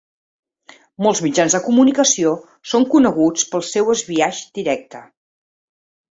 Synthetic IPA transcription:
molˠzmid͡ʒanzðəkumunikəsio | soŋkunəɣut͡spəlˠsɛwəzβiaʒd̪iɾɛk̚t̪ə

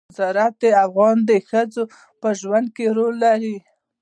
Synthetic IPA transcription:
zɑɾat̪̚d̪eafɣɑnd̪əxəzo | pəʒwand̪̚keɾolːaɾi

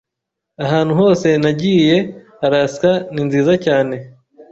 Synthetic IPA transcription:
aɦaːnhuɦo̞ːse̞naɟiːje̞haɾaskaninziːzacaːne̞

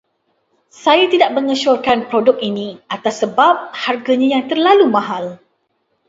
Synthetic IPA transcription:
sajat̪idaʔ̚mə̃ŋəʃɔrkanpɾodʊk̚inĩat̪asːəbap̚harɡaɲãjaŋt̪ərlalumãɦal

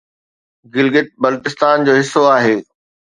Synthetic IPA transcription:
ɡɪlɡɪʈ̪̚bɐlːt̪ɪst̪aːnd͡ʑoːɦɪsːoaːɦeː

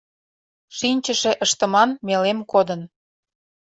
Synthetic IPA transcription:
ʃinʲt͡ɕəʃĕʔəʃt̪ə̆mɑnmelemkod̪ən

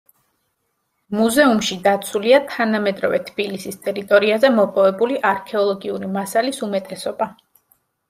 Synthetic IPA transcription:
muzɛumʃid̪at̪sʰuliat̪ʰanamɛd̪ɾɔvɛt̪ʰb̥ilisist̪ʼɛɾit̪ʼɔɾiazɛmɔpʼɔvɛbuliʔaɾkʰɛɔlˠɔɡiuɾimasalisumɛt̪ʼɛsɔba

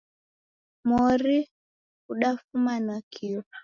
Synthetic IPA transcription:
mɔɾi | uɗafumanakʰia

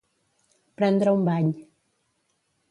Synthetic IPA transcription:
pɾãnd̪ɾaũmbaʎ

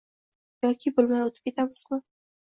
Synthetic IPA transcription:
jɒkʲʰɪbolˠmaj̪ot̪ʰɪ̥p̚kʰʲe̞t̪ʰamɪz̥mɪ

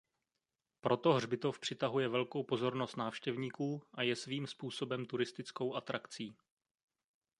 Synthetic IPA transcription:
pɾʔo̞t̪o̞ɦrbɪt̪o̞fpr̥ɪt̪aɦujɛvɛlkowpo̞zo̞ɾno̞st̪naːfʃcɛvɲiːkuːʔajɛsviːmspuːso̞bɛmt̪uɾɪst̪ɪt͡sko̞wʔat̪ɾakt͡siː

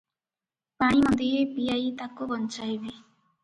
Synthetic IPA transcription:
paɽ̃imʌd̪ʱijepiait̪akubʌnt͡ʃajbi

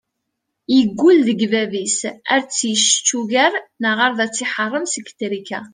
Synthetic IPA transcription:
jəɡːulðəɡvævisæɾt͡sːjəʃə̥t͡ʃːuʝæɾnəʁəɾðæt͡sːɪħərˤːəmsəkːt̪ɾikæ̰

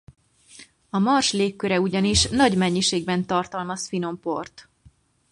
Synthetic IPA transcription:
ɒmɒrʃleːkːøɾɛuɟɒniʃnɒɟmɛɲːiʃeːɡbɛnt̪ɒrt̪ɒlmɒsfino̞mpo̞̰rt̪

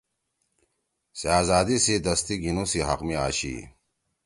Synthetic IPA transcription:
seaːzaːd̪isid̪ɐst̪iɡʱinũsiɦɐ̰qmiaːɕḭ

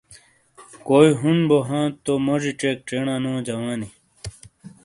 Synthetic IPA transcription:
koːiɦunboɦãːt̪omɐʐiʈ͡ʂeːk̚ʈ͡ʂeːɳãnõːd͡ʑɐwãːni

